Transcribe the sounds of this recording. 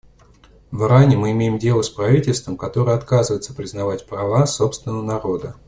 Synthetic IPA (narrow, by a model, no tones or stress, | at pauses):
vɾanʲɪmɨɪmʲejɪmdʲe̞lˠəspɾɐvʲitʲɪlʲst̪vəmkɐt̪o̞ɾɨjəɐt̪kazɨvəjt̪sə̥pɾʲɪznɐvatʲpɾɐvaso̞pst̪vʲɪnəvənɐɾo̞d̪ə